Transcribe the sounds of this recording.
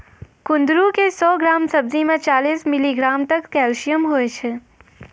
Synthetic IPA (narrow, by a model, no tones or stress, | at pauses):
kʊ̃nd̪ɾukesɔɡɾamsəb̚zimãt͡ʃalismiliɡɾamt̪əkkɛlʃijəmɦojt͡ʃʰe